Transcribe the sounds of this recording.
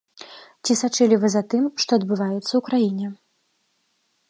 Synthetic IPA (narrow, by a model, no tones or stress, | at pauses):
t͡sʲisat͡ʂɨlʲivɨzat̪ɨmʂt̪ɔɐd̪bɨvajɛt̪sːɐwkɾajinʲɛ